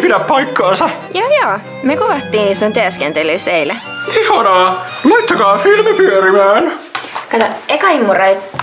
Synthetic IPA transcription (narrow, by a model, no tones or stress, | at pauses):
pidæppɑjkːɑːnsɑjɑjoː | mekuʋɑt̪ːiːnisont̪yæskent̪elysejlæ | ihɑnɑː | lɑjt̪ːɑkɑːfilmæpyøɾimæːnkɑt̪ɑekɑimːuroit̪